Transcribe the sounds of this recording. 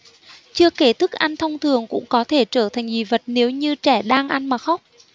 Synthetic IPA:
t͡ɕɨ˧əke˧˩t̪ʰɨ˦˥k̚ʔa˧nt̪ʰə˧wŋ͡mt̪ʰɨ˨˩əŋkʊ̰˧˥ŋ͡mkɔ˨˦t̪ʰe˧˩t͡ɕəː˧˩t̪ʰa˨˩jŋ̟vi˨˩və˨˩t̚ne˨˦wɲɨ˧t͡ɕɛ˧˩ɗaː˧ŋʔa˧nmaː˨˩xa˦˥wk͡p̚

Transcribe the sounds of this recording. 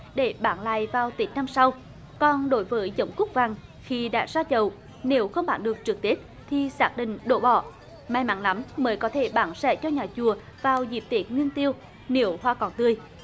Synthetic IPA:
ɗe˧˩ɓaː˧˩nla̰ː˧˨jvaː˨˩wt̪i˨˦k̟̚na˧msa˧w | kɔ˨˩nɗo˨˦jvəː˨˦jzə˨˦wŋ͡mkʊ˦˥k͡p̚va˨˩ŋ | xi˧ɗa̰ː˧˥zaː˧t͡ɕə˨˩w | ne˨˦wxə˧wŋ͡mɓaː˧˩nɗɨ˨˩ək̚t͡ɕɨ˨˩k̚t̪i˦˥ət̚ | t̪ʰi˨˩saː˦˥k̚ɗḭ̈˧˨ŋ̟ɗo˧˩ɓɔ̰˧˩˨ | maː˧jma̰˧˥nla˨˦mməː˨˦jkɔ˨˦t̪ʰe˧˩ɓaː˧˩nsɛ̰˧˥t͡ɕɔ˧ɲaː˨˩t͡ɕu˨˩ə | vaː˨˩wzi˨˩p̚t̪i˨˦ət̚ŋwi˧ənt̪i˧əw | ne˨˦əwhwaː˧kɔ˧˩nt̪ɨ˧˩əj

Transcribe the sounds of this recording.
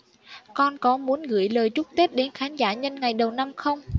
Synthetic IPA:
kɔ˧nkɔ˨˦mu˨˦ənɣɨ̰˧˩jləː˨˩jt͡ɕʊ˦˥k͡p̚t̪e˦˥p̚ɗe˨˦nxaː˨˦nzaː˧˩ɲə˧nŋa˨˩jɗə˨˩wna˧mxə˧wŋ͡m

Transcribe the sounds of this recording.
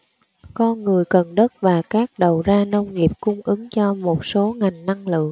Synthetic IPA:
kɔ˧nŋɨ˨˩əjkə˨˩nɗə˦˥t̚vaː˨˩kaː˦˥k̚ɗə˨˩wzaː˧nə˧wŋ͡mŋi˨˩əp̚kʊ˧ŋ͡mʔɨ˨˦ŋt͡ɕɔ˧mo˨˩t̚so˨˦ŋa˨˩jŋ̟na˧ŋlɨ̰˧˨əŋ

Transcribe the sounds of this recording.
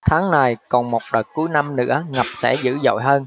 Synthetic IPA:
t̪ʰaː˨˦ŋna˨˩jkɔ˨˩nmo˨˩t̚ɗəː˨˩t̚ku˨˦jna˧mnɨ̰˧˥əŋə˨˩p̚sɛ̰˧˥zɨ̰˧˥zo̰˧˨jɦəː˧n

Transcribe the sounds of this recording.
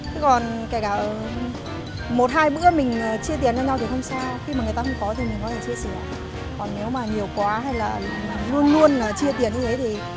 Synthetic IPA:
t̪ɨ˨˦kɔ˨˩nka˧˩kaː˧˩ʔə˨˩ | mo˨˩t̚ɦaː˧jɓɨ̰˧˥əmï˨˩ŋ̟ː˨˩t͡ɕi˧ət̪i˨˩ənzaː˧ɲa˧wt̪i˨˩xə˧wŋ͡msaː˧xi˧ma˨˩ŋ˨˩jt̪a˧xə˧wŋ͡mkɔ˨˦t̪ʰi˨˩mi˨˩ŋkɔ˨˦t̪ʰe˧˩t͡ɕi˧əsi˧˩˨ | kɔ˨˩nːe˨˦wmaː˨˩ɲi˨˩əwkwaː˨˦ɦa˧jlaː˨˩˨lu˧ənlu˧ənlaː˨˩t͡ɕi˧ət̪i˨˧˩ənɲɨ˧t̪ʰe˨˦t̪ʰi˨˩

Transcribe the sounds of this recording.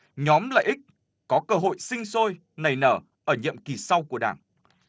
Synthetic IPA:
ɲɔ˨˦mla̰ː˧˨jʔï˦˥k̚ | kɔ˨˦kəː˧ɦo̰˧˨jsï˧ŋ̟so˧j | na˨˩jnəː˧˩ | ʔəː˧˩ɲḭ˧˨əmki˨˩sa˧wku˧˩əɗaː˧˩ŋ

